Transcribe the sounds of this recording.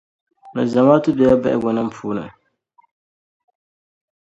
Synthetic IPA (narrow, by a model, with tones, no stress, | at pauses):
nɨ˨za˨maː˦tɨ˦bɛ˨ja˦bɛ˦˨ʔɪ̰˦ɡɔ˨nɨ˦m̩˦pʰuː˦nɨ̰˨